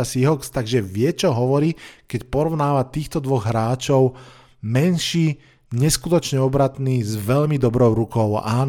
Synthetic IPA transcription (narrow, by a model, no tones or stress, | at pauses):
asiɦɔkst̪aɡʒɛʋɪɛt͡ʃɔɦɔʋɔɾiːkɛcpɔɾɔʊnaːʋat̪iːxt̪ɔd̪ʋɔɣɦɾaːt͡ʃɔʊ | mɛnʃiː | ɲɛskut̪ɔt͡ʃɲɛɔbɾat̪niːzʋɛʎmid̪ɔbɾɔʊɾukɔʊa̰ːn